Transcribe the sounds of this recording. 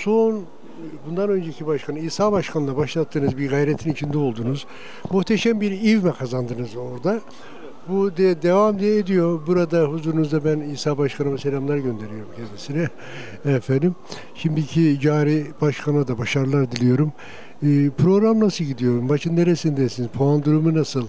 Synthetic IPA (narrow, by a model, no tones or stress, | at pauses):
so̞n | bund̪anø̞nd͡ʒecʰibaʃkʰanɯiːsaːbaʃkʰanɯlˠabaʃlˠat̪ʰːɯːnɯzbiɾɡajɾɛt̪ʰinit͡ʃʰind̪ɛo̞lˠd̪uːnuz | muht̪ʰeʃæmbiɾivmɛkʰazand̪ɯnɯzo̞ɾd̪a | bud̪id̪evamd̪ijɛːd̪ijo̞buɾad̪aɦuzuːɾunuzd̪abæniːsaːbaʃkʰanɯmase̞lʲamlˠaɾɟø̞nd̪e̞ɾijo̞ɾumcʰɛnd̪isinɛ | ɛfænd̪im | ʃimd̪icʰid͡ʒaːɾibaʃkʰanad̪abaʃaɾlˠaɾd̪ilʲijo̞ɾum | ɯpʰɾo̞ɡɾamnasɯlˠɟid̪ijo̞ɾumbaʃʰɯnd̪eɾesind̪esinizpʰoand̪uɾumunasɯlˠ